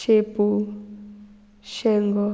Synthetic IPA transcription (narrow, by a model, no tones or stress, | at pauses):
ʃepu | ʃɛŋɡɔ